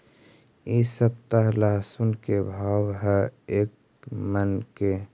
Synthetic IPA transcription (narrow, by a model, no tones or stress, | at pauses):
isəb̚t̪aɦlaːsunkebʱaːwɦɛeːk | mənke